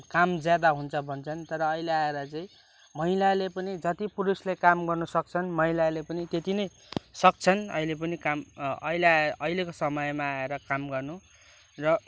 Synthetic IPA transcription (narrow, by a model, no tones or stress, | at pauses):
kamd͡zjad̪aɦunt͡sʰʌbʱʌnt͡sʰʌnt̪ʌɾʌːileaeɾʌt͡saĩ | mʌɦilalepʌnid͡zʌt̪ipuɾuslekamɡʌrnʌsʌk̚t͡sʰʌnmʌilalepʌnit̪et̪inʌj | sʌk̚t͡sʰʌnʌ̰ilep̬ʌnikamʌ̰ileaʔʌilekosʌmʌjmaːeɾʌkamɡʌrnu | rʌ